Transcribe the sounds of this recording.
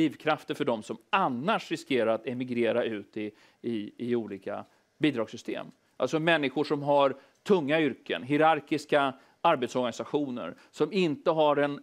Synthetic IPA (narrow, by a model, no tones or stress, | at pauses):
iːvkʰɾaft̪əɾfœɖɔmsɔmanːaʂɾɪskeːɾaɾat̪ɛmɪɡɾeːɾaʉ̟ːt̪ɪ | ɪɪuːliːka̰ | biːd̪ɾɑːɡsʏst̪ʰḛːm | ʔa̰lsɔmɛnːɪɧʊʂɔmɦaɾ | t̪ʰɵŋːaʏɾkə̰nɦɪɾaɾkɪska | aɾbɛt̪sɔɾɡanɪsaɧuːnə̰ɾ | sɔmɪnt̪əɦaɾɛn